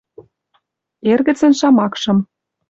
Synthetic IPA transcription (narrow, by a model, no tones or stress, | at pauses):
erɣɘ̆t͡sə̆nʃɑmɑkʃɤ̆m